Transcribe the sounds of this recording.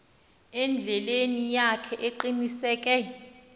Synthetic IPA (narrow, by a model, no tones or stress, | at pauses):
ɛnd͡ɮʱɛlenijakʰɛʔeǃinisɛːk̬ʼɛ